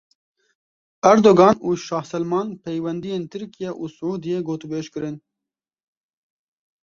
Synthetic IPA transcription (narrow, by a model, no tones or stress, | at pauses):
ɛɾd̪oːɡɑːnuːʃɑːhsɛlmɑːnpʰɛjwɛnd̪ijeːnt̪ʰɨɾkijɛʔuːsʊʕuːd̪ijeɡoːt̪ubeːʃkɨɾɨn